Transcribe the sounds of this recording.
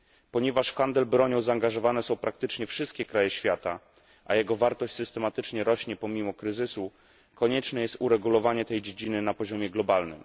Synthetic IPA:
pɔɲɛvaʂxand̪ɛlbɾɔɲɔ̃w̃zaːŋɡaʐɔvanɛsɔ̃w̃pɾak̚t̪ɘt͡ʂɲɛfʂɘst̪̚kʲɛkɾajɛɕfʲjat̪a | ʔa̰jɛɡɔvaɾt̪ɔɕt͡ɕsɘst̪ɛmat̪ɘt͡ʂɲɛɾɔɕɲɛpɔmʲimɔkɾɘzɘsu | kɔɲɛt͡ʂnɛjɛst̪uɾɛɡulɔvaɲɛt̪ɛjd͡ʑed͡ʑinɘnapɔʑɔmʲjɛɡlɔbalnɘ̰m

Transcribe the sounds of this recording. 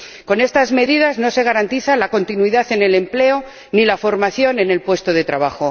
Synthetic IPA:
ko̞ne̞st̪azme̞ðiðazno̞se̞ɣ̞aɾant̪iθalako̞nt̪inwiðaθe̞ne̞le̞mple̞o | nilafo̞ɾmaθjo̞ne̞ne̞lpwe̞st̪oð̞e̞t̪ɾaβaxo̞

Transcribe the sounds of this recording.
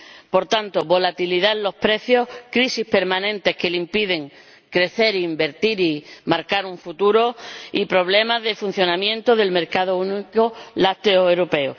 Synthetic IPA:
po̞ɾt̪ant̪oβo̞lat̪iliðaenlo̞hpɾe̞θjo̞hkɾisihpe̞ɾmãnẽ̞nt̪e̞hke̞limpiðe̞ŋ | kɾe̞θe̞ɾiːmbe̞ɾt̪iɾimaɾkaɾuɱfut̪uɾo̞ipɾo̞β̞le̞mazðefun̟θjo̞nãmjẽ̞nt̪oðe̞lme̞ɾkað̞ounikolat̪eoewɾope̞o

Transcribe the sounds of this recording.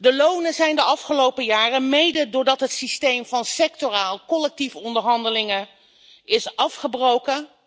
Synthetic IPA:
dəlownəzɛjndəɑfχəlowpəjaːrəmejdədʊːɹdɑtɦətsistejmvɑnsɛk̚toraːlˠkɔlɛk̚tifɔndəɹɦɑndəlɪŋə | ɪsɑfχəbrowkə

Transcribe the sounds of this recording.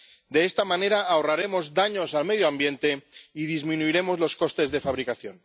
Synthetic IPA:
d̪e̞est̪amãne̞ɾaːoraɾe̞mo̞zd̪aɲo̞salme̞ðjoambje̞nt̪e̞iðizmĩnuiɾe̞mo̞zlo̞sko̞st̪e̞zðe̞faβɾikaθjo̞n

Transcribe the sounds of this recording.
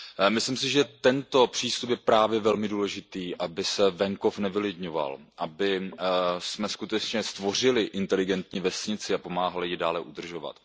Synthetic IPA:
mɪslims̬ɪʒɛt̪ɛnt̪o̞pr̥iːst̪upjɛpɾaːvjɛvɛlmɪduːlɛʒɪt̪iːʔabɪsɛvɛŋko̞fnɛvɪlɪdɲova̰lʔabɪ | smɛskut̪ɛt͡ʃɲɛst̪vo̞r̝ɪlɪʔɪnt̪ɛlɪɡɛnt̪ɲiːvɛsɲɪt͡sɪapo̞maːɦalɪjɪdaːlɛʔud̪r̩ʒo̞va̰t̪

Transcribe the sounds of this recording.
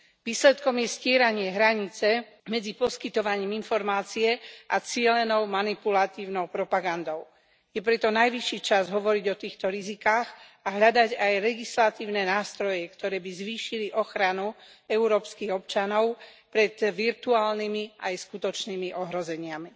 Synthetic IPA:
ʋiːslɛt̪kɔmjɛscɪɛɾaɲɪɛɦɾaɲit͡sɛ | mɛd͡zipɔskit̪ɔʋaɲiːminfɔɾmaːt͡siɛʔat͡sɪɛlɛnɔʊmanipulat̪iːʊnɔʊpɾɔpaɡand̪ɔʊ | jɛpɾɛt̪ɔnajʋiʃiːt͡ʃazɦɔʋɔɾiɟɔt̪iːxt̪ɔɾizikaːxaɦʎad̪aɟajlɛɡislat̪iːʊnɛnaːst̪ɾɔjɛkt̪ɔɾɛːbizʋiːʃiliʔɔxɾanuɛuɾɔːpskiɣɔpt͡ʃanɔʊpɾɛt̪ʋiɾt̪uaːlnimiajskut̪ɔt͡ʃnimiʔɔɦɾɔzɛɲɪami

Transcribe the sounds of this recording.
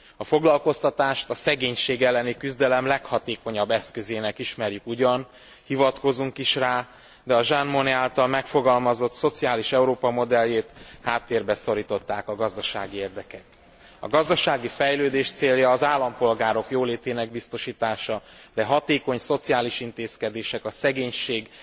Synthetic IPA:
ɒfo̞ɡlɒlko̞st̪ɒt̪aːʃt̪ɒsɛɡeːɲʃeːɡɛlːɛnikyzd̪ɛlɛmlɛkhɒt̪eːko̞ɲɒbːɛskø̞zeːnɛkiʃmɛrjykuɟɒn | hivɒt̪ko̞zuŋkiʃraː | d̪ɛɒʒanmoniaːlt̪ɒlmɛkfo̞ɡɒlmɒzo̞t̪so̞t̪siaːliʃɛuɾoːpɒmo̞d̪ɛljeːt̪haːt̪ːeːrbɛso̞ɾiːt̪o̞t̪ːaːkɒɡɒzd̪ɒʃaːɡieːrd̪ɛkɛk̪ | ɒ̰ɡɒzd̪ɒʃaːɡifɛjløːd̪eːʃt̪seːljɒːzaːlːɒmpo̞lɡaːɾo̞kjoːleːt̪eːnɛɡbist̪o̞ʃiːt̪aːʃɒ | d̪ɛɦɒt̪eːko̞ɲso̞t̪siaːliʃint̪eːskɛd̪eːʃɛkɒsɛɡeːɲʃeːɡ

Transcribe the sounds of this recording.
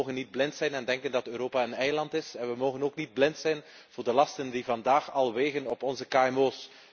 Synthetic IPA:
oːɣənːid̚blɪntsɛjnɛndɛŋkəndɑtøːɾoːpaənɛjlɑntɪsɛnʋəmoːɣənoːknid̚blɪntsɛjn | v̥ʊːrdəlɑstəndivɑndaːxɑlˠʋeːɣənɔpɔnzəkaːɛmoːs

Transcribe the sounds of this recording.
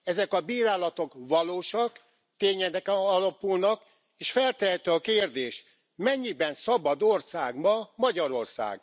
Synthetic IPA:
ɛzɛkɒbiːɾaːlɒt̪o̞kʋɒloːʃɒk | t̪eːɲɛd̪ɛkɒlɒpulnɒk | eːʃfɛlt̪ɛɛt̪øɒkeːrd̪eːʃ | mɛɲːibɛnsɒbɒd̪orsaːɡmɒmɒɟɒɾo̞rsa̰ːɡ

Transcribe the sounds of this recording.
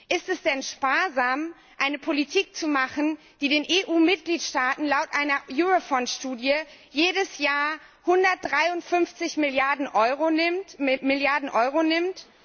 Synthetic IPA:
ʔɪstɛsd̥ɛnʃpaːɐzaːm | ʔaɪnəpʰolitʰiːk̚t͡sumaχn̩ | d̥iːdeːnʔeːʔuːmɪt̚ɡ̥liːtʃtaːtn̩laʊtʔaɪnɐjuːʁofɔntʃtuːdjə | jeːdəsjaːɐ | hʊndɐt̚d̥ʁaɪʊntfʏnft͡sɪçmɪljaɐdn̩ʔɔʏʁɪmɪljaɐdn̩ʔɔʏʁonɪmt

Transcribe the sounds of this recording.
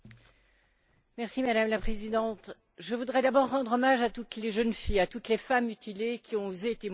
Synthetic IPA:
mɛʁsimad̪amlapχezid̪ɑ̃t̪ | ʒəvud̪ʁɛd̪abɔʁːɑ̃d̪ʁɔmaʒat̪ut̪leʒənfijat̪ut̪lefamyt̪ilekʲiɔ̃ozet̪em

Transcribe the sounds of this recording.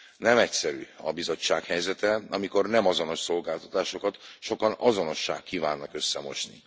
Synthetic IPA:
nɛmɛcsɛɾy̰ːɒbizo̞t͡ʃːaːkhɛjzɛt̪ɛɒmiko̞rnɛmɒzo̞no̞ʃso̞lɡaːlt̪ɒ̥t̪aːʃo̞kɒt̪ʃo̞kɒnɒzo̞no̞ʃːa̰ːkːiːvaːnːɒkø̞sːɛmo̞̰ʃnḭ

